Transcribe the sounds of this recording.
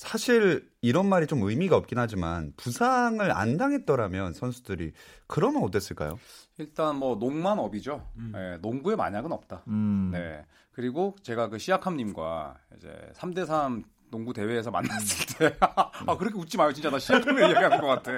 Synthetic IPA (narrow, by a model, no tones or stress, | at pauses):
sʰaɕʰiɾ | iɾʌnmaɾit͡ɕomɯjmiɡaʌp̚k͈inɦad͡ʑimanpusʰaŋɯɾa̰ndaŋɦe̞t̚t͈ʌɾamjʌnsʰʌnsʰudɯɾḭkɯɾʌmjʌnʌt͈es͈ɯɭk͈a̰jo̰iɭt͈anmwʌnoŋmanʌbid͡ʑoje̞̰noŋɡue̞ma̰ɲaɡɯnʌp̚t͈ane̞̰ | kɯɾiɡot͡ɕe̞ɡakɯɕʰijakʰamɲimɡwa̰ḭd͡ʑe̞̰sʰamde̞sʰam | noŋɡute̞weːs̬ʰʌma̰nːas͈ɯɭtʰeakɯɾʌkʰeut͡ɕ͈imajot͡ɕint͡ɕʰanaɕʰiakʰameɯɡaɡianɡʌk͈atʰe